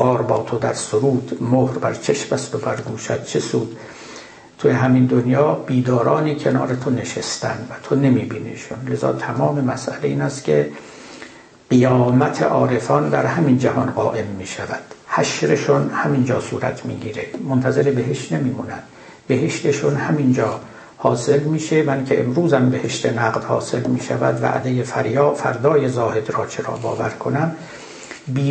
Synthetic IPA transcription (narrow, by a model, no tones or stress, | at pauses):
ɢ̥ɒːɾbɒːt̪ʰo̞d̪æɾsoɾuːd̪mohɾbæɾt͡ʃʰeʃbæst̪obæɾɡuːʃæd̪̥̚t͡ʃʰesuːd̪̥ | t̪ʰuːjeɦæmind̪onjɒːb̥iːd̪ɒːɾɒːniːkʰe̞nɒ̰ːɾe̞t̪ʰo̞ne̞ʃest̪æ̰nd̪væt̪ʰo̞nemiːbiːnḛʃonle̞zɒ̰ːt̪ʰæmɒːme̞mæsʔæleiːnæst̪kʲʰe | ɢijɒːmæt̪ʰḛʔɒːɾe̞fɒːnd̪æɾɦæmind͡ʒæhɒnɢɒːʔe̞mːiːʃævæd̪̥hæʃɾeʃonhæmind͡ʒɒːsuːɾæ̰t̪ʰmḭːɡiːɾemont̪ʰæze̞ɾebe̞ɦeʃt̪nemiːmuːnæ̰d̪̥ | be̞ɦeʃt̪eʃonhæmind͡ʒɒː | hɒːse̞lmiːʃemænkʲʰeʔemɾuːzæmbehe̞ʃt̪ʰe̞næːɣd̪hɒ̰ːse̞lmiːʃæ̰væ̰d̪væ̰ʔd̪e̞jefæɾjɒːfæ̰ɾd̪ɒːjezɒːhe̞d̪rɒːt͡ʃʰeɾɒ̰ːbɒ̰ːvæɾkʰo̞næm | biː